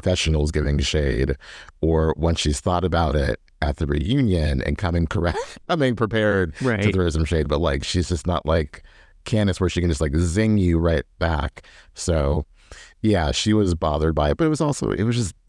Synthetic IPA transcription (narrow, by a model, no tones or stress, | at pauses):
fɛʃn̩l̩ˠzɡɪvɪ̃ŋʃeɪɾə˞wə̃nsʃiz̥θɔɾɨbaʊɾɪ̰ɾ | ɨt̪̚ðɨɹḭjʉ̃njɨ̃nɨ̰̃nkʰʌmɪ̃ŋkʰə˞ɛk̚tmbiɪ̃ŋpʰɹ̥ipʰɛɹd̚ɹatɨðɹosʌ̃m̩ʃeɪd̚bʌt̚ˡlaɪkʃizd͡ʒʌstnə̰ʔlʔaɪkʰ | æ̃nɨswə˞ʃikɨ̃n̩d͡ʒʌst̚laɪkzɪ̃ŋjɨɹaɪt̚b̥æksoʊ | jæʃiwʌzbɑðə˞d̚baɪɨt̚b̥ʌɾɨt̚wʌzɔlˠso̰ʊʔɪ̰t̚wʌzd͡ʒʌs